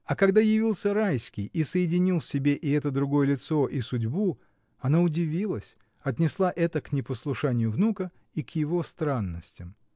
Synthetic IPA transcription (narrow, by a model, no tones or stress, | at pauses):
ɐkɐɡd̪ajɪvʲilˠsʲəɾajsʲkʲɪjʔisəjɪdʲɪnʲilˠfsʲɪbʲe̞ʔɪɛt̪əd̪ɾʊɡo̞jəlʲɪt̪so̞ʔisʊdʲbu | ɐnaʊdʲɪvʲilˠəsʲ | ɐt̪̬ʲnʲɪslˠaʔɛt̪əknʲɪpəslˠʊʂanʲɪjʊvnukə | ikjɪvo̞st̪ɾanːəsʲtʲɪm